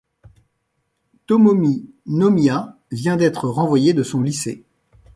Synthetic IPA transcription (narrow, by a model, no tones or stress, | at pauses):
t̪ɔmɔmi | nɔmja | vjɛ̃d̪ɛt̪χəʁɑ̃vwajed̪əsɔ̃lise